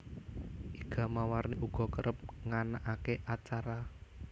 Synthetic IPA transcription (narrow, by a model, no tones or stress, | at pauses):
ʔiɡ̥a̤mawarniʔuɡ̥ɔ̤kəɾʔəp̚ŋanaʔakeʔat͡ʃaɾa